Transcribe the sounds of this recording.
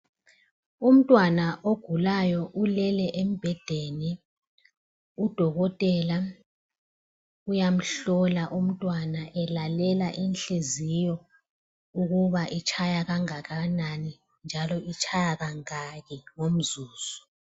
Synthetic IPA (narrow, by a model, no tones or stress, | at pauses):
um̩tʼwanaʔoɡ̥ʱulajɔʔulɛlɛʔem̩b̥ʱɛd̥ʱeːni | ud̥ʱɔɣɔtʼɛːla | ujam̩ɬɔlaʔum̩tʼwanaʔɛlalɛlaʔinɬezijɔ | uɣuβaʔit͡ʃʰajaɣaŋaɣanani | nd͡ʒʱalɔit͡ʃʰʼajaɣaŋaɣɛŋom̩zuːz̥ɔ̥